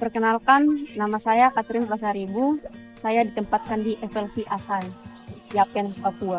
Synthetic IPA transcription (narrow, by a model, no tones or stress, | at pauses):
pərkənalkanːamasajakat̪ɾɪnras̬aɾibu | sajadit̪əmpat̪̚kandiʔɛfɛlsiʔasan | japɛnpapua